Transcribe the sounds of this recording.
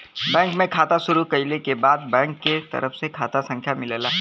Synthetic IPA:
bɛ̃ːŋkmẽkʰaːt̪aʃʊɾukɐilekebaːd̪̚bɛ̃ːŋkːet̪ɐ̰ɾəfsekʰaːt̪asə̃ŋkʰjamɪleːlaː

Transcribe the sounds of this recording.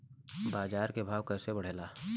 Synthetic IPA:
baːzaːɾkebʱaːʋkɛːsebɐɽ̤eːlaː

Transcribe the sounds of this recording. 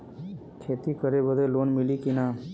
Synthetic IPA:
kʰet̪ikəɾebəd̪ʱelonmilikina

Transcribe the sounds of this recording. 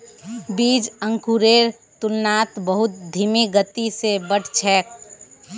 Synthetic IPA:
bid͡ʒə̃ŋkuɾeɾ | t̪unːat̪bəɦʊt̪̚d̪ʱimiɡət̪isebəɽ̤ʰʱt͡ʃʰɛːk̚

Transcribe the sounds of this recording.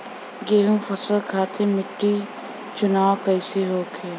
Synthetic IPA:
ɡeːɦũfɐsəlkʰaːt̪ʰemɪʈːiː | t͡ʃʊnaːwkəɪseɦoːkʰeː

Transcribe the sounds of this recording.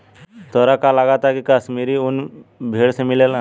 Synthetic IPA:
t̪ɔɾakalaɡat̪akikəsmiɾiʊnbʱeːɽsemɪlelã

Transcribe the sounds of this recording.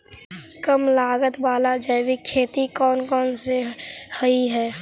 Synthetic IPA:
kəmlaːɡət̪ʋaːlad͡ʒəjwikʰːeːt̪ikɔːnkɔːnsehəiɦɛː

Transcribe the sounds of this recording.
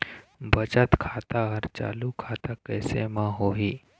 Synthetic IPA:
bət͡ʃət̪kʰaːt̪aɦəɾt͡ʃa̰ːlukʰaːt̪akɛːsḛmãɦoːɦiː

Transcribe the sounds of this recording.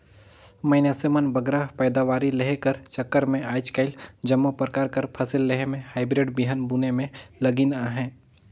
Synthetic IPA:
mɐɪnasemənbɐɡɾapɛːd̪aʋaːɾileɦekəɾt͡ʃɐkːəɾmẽaːjt͡ʃkaːɪld͡ʒɐmːopɾəkaːɾkɐɾpʰɐsɪlːeɦemẽhaːɪbɾɪɖbiɦənbuːnemẽlɐɡinaɦɛ̃ː

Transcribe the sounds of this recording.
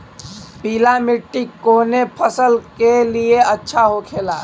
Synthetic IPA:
piːlamɪʈːikːoːnepʰəsəlkelieətːʃʰaɦokʰeːlaː

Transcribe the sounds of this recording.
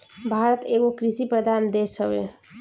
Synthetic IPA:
bʱaɾət̪eɡokɾisipɾəd̪ʱand̪esəbḛ

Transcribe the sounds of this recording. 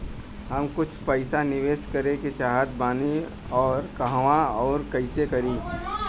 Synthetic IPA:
ɦəmkʊt͡ʃʰpəɪsanɪʋeːʃkəɾeket͡ʃaːɦət̪̚baːni | ɔːɾkəɦʋãɔːɾkəɪsekɐɾiː

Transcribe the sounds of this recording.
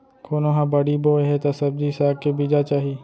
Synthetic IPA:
koːnoɦãbɐɽiboːeɦet̪ɐsɐb̚d̪isaːkkːebiːd͡ʒat͡ʃaːɦi

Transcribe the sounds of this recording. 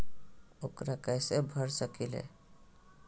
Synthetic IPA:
okɾakajsebʱəɾsəkilḛ

